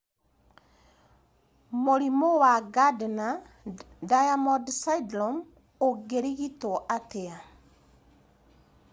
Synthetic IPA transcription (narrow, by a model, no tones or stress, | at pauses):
moɾimowaɡadna | dajamɔdsadlɔm | oɡeɾiɣitɔʔatea